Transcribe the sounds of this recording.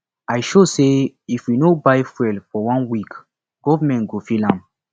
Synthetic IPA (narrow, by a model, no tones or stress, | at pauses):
ajʃoseifwinobajfɛlfɔwãnwik | ɡ̥ɔvamɛ̃ntɡofilãm